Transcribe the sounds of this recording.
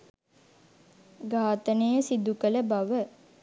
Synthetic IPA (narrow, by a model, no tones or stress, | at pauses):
ɡaːt̪ənejəsid̪ukələbaʋə